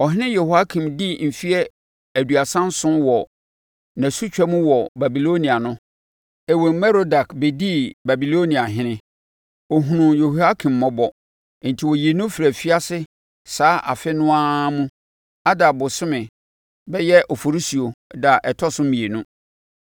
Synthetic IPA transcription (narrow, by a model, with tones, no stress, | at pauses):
ɔ˨ɦɪ˦nɪ̃˦je˨hu˨a˦kʰĩ˨mdi˦m̩˨fi˦ɛ˦ | æ˨du˨a˨sã˦n˦sʊ̃˦wɔ˨ | nã˨su˦t͡ɕᶣɛ˦mũ˦wɔ˨ba˨bi˨lo˦nĩ˨a˨nʊ̃˦ | ɛ˨wo˨m̩˨mɛ̃˦ɾo˦da˨kbe˨di˦ba˨bi˨lo˦nĩ˨a˨ɦɪ̃˦nɪ̃˦ | ɔ˨ɦũ˨nũ˨jo˨hu˨a˦kʰĩ˨mːɔ̃˦bɔ˨ | n̩˨tʰi˨wɔ˨ji˨e˨nũ˦fɾæ˨fi˦a˦sɪ˦ | saː˨˦ʔa̰˨fɪ˦nʊ̃˦a˦mũ˦ | a˦da˨bʊ˨sɪ˦mɪ̃˨ | bɛ˦jɛ˦ʔɔ˨fo˨ɾi˦si˨o˨da˨ʔɛ˨tʰɔ˦sʊ̃˦mĩ˨e˨nũ˦